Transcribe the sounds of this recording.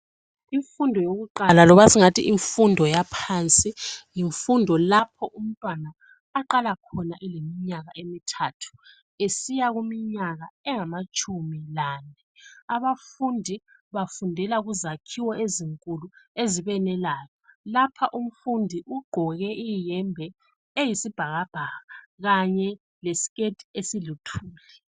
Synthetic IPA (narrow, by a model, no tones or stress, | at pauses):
iɱfundʱɔjoɣuǃalalɔβasiŋatʰiʔiɱfundʱɔjapʰaːnt͡sʼijiɱfundʱɔlapʰɔʔum̩tʼwanaː | ǃalakʰɔnaʔɛlemiɲaɣaʔemitʰatʰu̥ | esijaɣumiɲaɣaɛŋamat͡ʃʼʰumilanɛaβafundʱiβafundʱɛlaɣuzakʰiwɔeziŋkʼulueziβɛnɛlaːjɔlapʰaʔum̩fundʱiʔuɡ͡ǃʱɔɣɛʔijɛmbʱɛ | ejisib̥ʱaɣab̥ʱaːɣaɣaɲɛ | lesi̥ɣetʰʼi̥esilutʰuːlɛ